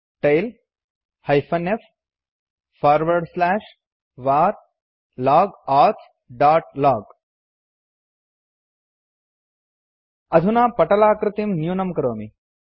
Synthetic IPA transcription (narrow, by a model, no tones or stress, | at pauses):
ʈejl | hɐjfʰɐnef | faːɾʋɐɾɖslɛːʂ | ʋaːɾ | laːɡaːt̪ | ɖaːʈlaːɡ | ɐd̪ʱunaːpɐʈɐlaːkɾɪt̪imnjuːnɐmkɐɾoːmi